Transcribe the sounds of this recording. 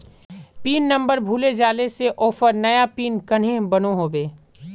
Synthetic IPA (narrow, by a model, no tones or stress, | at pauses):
piːnːɐ̃mbəɾbʱuːled͡ʒaːleseʔɔːfəɾnɐjapiːnkɐn̤ɦẽbɐnoɦoːbeː